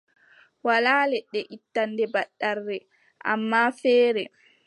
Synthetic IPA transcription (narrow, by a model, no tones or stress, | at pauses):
walaːlɛɗɛʔitːandɛbaɗːarːɛ | ʔa̰mːafɛːɾɛ